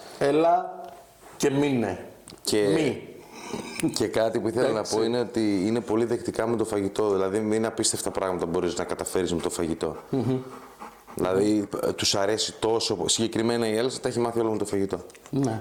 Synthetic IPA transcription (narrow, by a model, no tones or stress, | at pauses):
elɐ | ce̞mine | cʰei | ce̞kɐt̪ipuiθelɐnɐpo̞ine̞ot̪iine̞po̞liðekt̪ikɐmet̪o̞fɐʝit̪o̞ðilɐðiðeninɐpist̪e̞ft̪ɐpɾɐɣmɐt̪ɐbo̞ɾisnɐkɐt̪ɐfe̞ɾizmet̪o̞fɐʝit̪o̞ | ðḭlɐðit̪usɐɾe̞sit̪o̞so̞siɲɟe̞kɾime̞nɐielɐsit̪ɐeçimɐθio̞lomet̪o̞fɐʝit̪o̞n